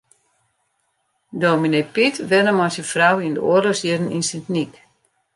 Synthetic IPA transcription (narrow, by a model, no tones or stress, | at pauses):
dominepitʰʋɛnəmɔsəfrawindəo̰ərlosjiədəninsɪntnik